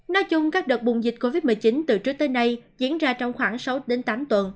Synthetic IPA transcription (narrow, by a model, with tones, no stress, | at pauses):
nɔ˨˦jt͡ɕʊ˧ŋ͡mkaː˦˥k̚ɗə˨˩t̚ɓʊ˨˩ŋ͡mzi˨˩k̟̚ko˧vi˦˥t̚mɨ˨˩əjt͡ɕi˨˦nt̪ɨ˨˩t͡ɕɨ˦˥ək̚t̪oː˨˦jna˧jzḭ˧˥ənzaː˧t͡ɕɔ˧wŋ͡mxwaː˧˩ŋsa˨˦wɗe˨˦nt̪aː˨˦mt̪wə˨˩n